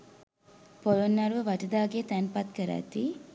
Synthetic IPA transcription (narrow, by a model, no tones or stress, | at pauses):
pojonːɐɾʋəʋɐʈɐd̪aːɡet̪ænpɐt̪kəɾæ̰t̪ːiː